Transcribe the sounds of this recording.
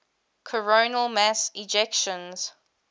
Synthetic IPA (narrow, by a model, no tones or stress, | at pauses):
kʰəɹoʊnəlˠmæsɪd͡ʒɛkʃə̃nz̥